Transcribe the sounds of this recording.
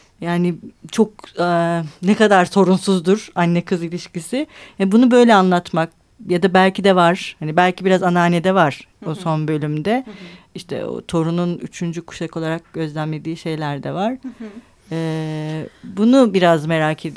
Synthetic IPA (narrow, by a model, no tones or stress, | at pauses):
jaːnɪt͡ʃʰo̞k̚ | nɛkad̪aɾso̞ɾunsuzd̪uɾ̥anːɛkʰɯzilʲiʃcisɪhabunubø̞jlʲɛanlˠat̪mak̚ | jad̪abælʲcid̪ɛvaɾ̥hanibælʲcʰibiɾazanaːned̪ɛvaɾ̥oso̞nbø̞lʲymd̪ɛiʃt̪ʰɛ̰o̰t̪ʰo̞ɾununyt͡ʃʰynd͡ʒykʰu̥ʃako̞lˠaɾak̚ɟ̥ø̞zlʲænle̞d̪iːʃe̞jlʲæɾd̪ɛvaɾ̥ː | bunubiɾazme̞ɾaːcʰe̞d̪i